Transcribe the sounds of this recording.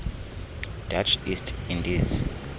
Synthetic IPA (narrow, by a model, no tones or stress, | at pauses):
d̥at͡ʃʰistʰindiz